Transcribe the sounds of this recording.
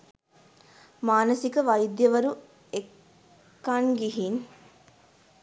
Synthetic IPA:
maːnɐsikəʋɐjd̪jɐʋɐɾu | ekː | anɡiɦin

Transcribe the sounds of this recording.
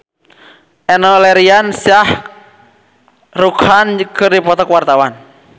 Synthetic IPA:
ɛnɔlɛɾiansiah | rukankɨrdipɔt̪ɔkwart̪awan

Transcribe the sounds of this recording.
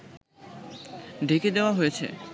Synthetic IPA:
ɖʱeked̪eoaɦojet͡ɕʰḛ

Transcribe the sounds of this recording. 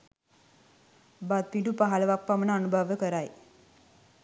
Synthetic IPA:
bad̪̚piʈɖupaɦalʋak̚pamənaənubʱəʋjəkəɾaj

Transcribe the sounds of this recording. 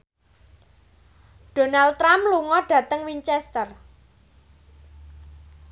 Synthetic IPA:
d̥o̤nalt̪ɾamluŋɔɖ̥ä̤t̪əŋwiɲt͡ʃɛst̪ər

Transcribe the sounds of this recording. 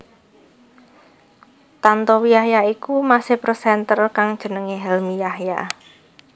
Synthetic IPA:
t̪ant̪ɔwijahjaikumasɪhprɔsɛnt̪ərkaŋd̥ʒ̥ə̤nəŋeɦɛlmijahja̰

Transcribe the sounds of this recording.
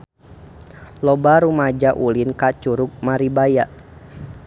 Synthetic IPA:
lɔbaɾumad͡ʒaʔulinkat͡ʃuɾʊk̚maɾibajaʔ

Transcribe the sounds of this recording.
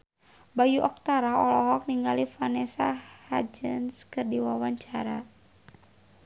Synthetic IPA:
bajuʔɔk̚t̪aɾaɔlɔɦɔk̚niŋɡalifanɛsaha̰d͡ʒə̰nskɨrdiwawaɲt͡ʃaɾa

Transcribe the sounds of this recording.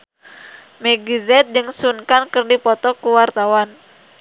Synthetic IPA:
mɛɡizɛt̪̚d͡ʒɨŋsunkankɨrdipɔt̪ɔkuwart̪awan

